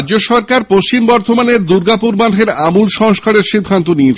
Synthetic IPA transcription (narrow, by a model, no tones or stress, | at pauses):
d͡ʑoʃɔɾkaɾpoʃt͡ɕimbɔɾt̪ʰomaneɾd̪uɾɡapuɾbaʈʰeɾamulʃɔŋʃkʰaɾeɾʃid̪ʱːant̪oniet͡ɕʰ